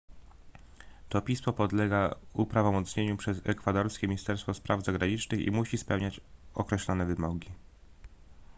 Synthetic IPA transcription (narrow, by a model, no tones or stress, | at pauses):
t̪ɔpʲismɔpɔd̪lɛɡaupɾavɔmɔt̪sɲeɲupʂɛzɛkfad̪ɔɾskʲɛmʲiɲist̪ɛɾst̪fɔspɾʔavzaɡɾaɲit͡ʂnɘxḭmuɕispɛwɲat͡ɕɔkɾɛɕlɔnɛvɘmɔɡʲi